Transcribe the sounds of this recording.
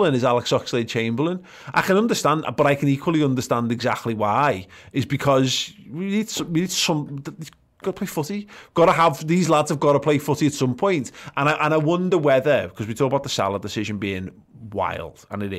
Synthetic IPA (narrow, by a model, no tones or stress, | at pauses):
lə̃nɪzalɪksɔksleɪd̚t͡ʃʰẽɪ̃mbəlˠə̃n | ʔaɪkʰə̃nʌ̃ndəstãnd̰b̥ʌɾaɪkʰə̃niˑkʰwəlˠiʌ̃ndəstãndɛɡzak̚tʰˡliwaɪɪzbɪkʰɒzwinid̥swinidsʊ̃mðə | ɡ̥ɒɾəpʰleɪfʊtiɡ̥ɒɾəəvðiːzladz̥əvɡɒɾəpʰl̥eɪfʊtiətsʊ̃mpʰɔ̃ɪ̃ntʔə̃naɪʔə̃naɪwʌ̃ndəwɛðəkʰɒzwitʰɔːkəbaʊʔ̪ðəsa̰lˠədɪsɪʒə̃nbiːɪ̃ŋ | wa̰ɪlˠd̥ə̰̃nɪɾɪ